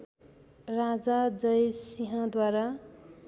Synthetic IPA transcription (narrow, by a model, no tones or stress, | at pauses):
rad͡zad͡zʌjsiɦãd̪waɾa